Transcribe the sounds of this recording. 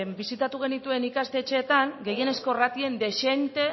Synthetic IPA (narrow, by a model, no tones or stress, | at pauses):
embisit̪at̪uɣ̞e̞nit̪ue̞nikast̪e̞t͡ʃe̞ːt̪aŋɡe̞je̞ne̞sko̞rat̪ie̞nd̪e̞ʃe̞nt̪e̞